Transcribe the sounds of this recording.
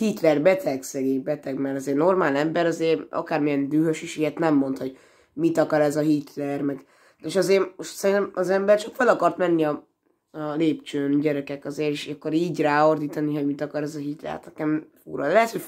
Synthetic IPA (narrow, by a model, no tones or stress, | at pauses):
hit̪lɛrbɛt̪ʰɛɡsɛɡeːbɛt̪ɛɡmɛɾɒzeːrnormaːlɛmbɛɾɒzeːrɒ̰kaːrmijɛnd̪yːɦøʃiʃijɛt̪nɛmːo̞nt̪ho̞ɟ | mit̪ɒkɒɾɛzɒɦit̪ʰlɛrmɛɡ | eːʃɒzeːɾoʃt̪sɛɾint̪ɛmɒzɛmbɛrt͡ʃɒkfølɒkɒrt̪mɛnːiɒ | ɒleːpt͡ʃøːnɟɛɾɛkɛkɒzeːɾeʃɒkːoɾiːɟraːord̪iːt̪ɒniɦo̞ɟmit̪ɒkɒɾɛzɒɦit̪lɛ̰rha̰t̪nɛkɛmfuɾɒlɛɦɛt̪ho̞ɟ